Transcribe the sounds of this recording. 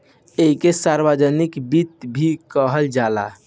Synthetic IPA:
eɦikesaɾbəd͡ʒənikbit̪bʱikəɦəld͡ʒala̰

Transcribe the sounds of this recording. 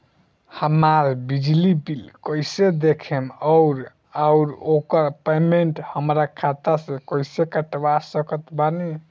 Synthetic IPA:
həmaɾbid͡ʒlibilkəjsed̪ekʰeməʊɾ | aʊɾokəɾpemeɳʈhəmɾakʰat̪asẽkəjsekəʈwasəkət̪bani

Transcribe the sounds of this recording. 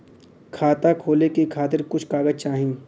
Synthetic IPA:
kʰaːt̪akʰoːlekikʰaːt̪ɪɾkʊt͡ʃʰkaːɡəd͡ʒt͡ʃaːɦĩː

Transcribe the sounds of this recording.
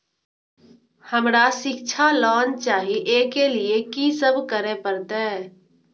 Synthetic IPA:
həmɾasɪkt͡ʃʰalɔːnt͡ʃaːɦiʔeːkeliekisəbkəɾepəɾt̪ɛɛ

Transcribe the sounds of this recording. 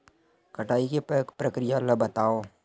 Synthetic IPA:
kɐʈʰaːikepɾəkɾɪjaəlːabət̪aːoː

